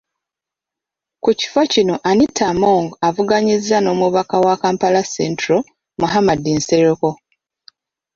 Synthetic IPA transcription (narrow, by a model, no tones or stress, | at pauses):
kuci̥focino̞ʔanitʰːamoːŋɡavuɡaɲizːano̞ːmuβakawakaːmpalasentɾo | muɦamadinseɾeko̞